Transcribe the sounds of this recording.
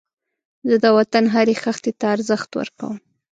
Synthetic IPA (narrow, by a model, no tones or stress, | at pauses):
zəd̪əwat̪anɦaɾexaxt̪et̪aːɾzəxt̪wə̰ɾka̰wəm